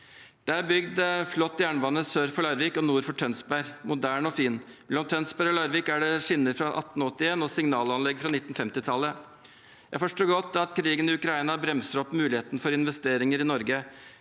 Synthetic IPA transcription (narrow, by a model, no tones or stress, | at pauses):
d̪̥ææɾbʏɡd̪flɔt̪ːjæːɳʋɑnːəsøːɾfɔɭɑɾʋɪkɔnuːɾfɔʈʰœnsbæɾmʊd̪æːɳɔfiːnmɛlɔmt̪ʰœnsbæɾɔlɑːɾʋɪkæɖɛʂɪnːəɾfɾɑʔɑ̰t̪ːn̩ɔt̪ːɪeːnɔsɪŋnɑːlɑnlɛɡfɾɑnɪt̪ːn̩fɛmt̪ɪt̪ʰɑlːə | jæɪfɔʂʈuːɾɡɔt̪ːɑt̪kʰɾiːɡənɪʉkɾɑiːnɑbɾɛmsəɾɔpːmʉːlɪeːt̪nfɔɾɪnʋɛst̪eːɾɪŋəɾɪnɔɾɡə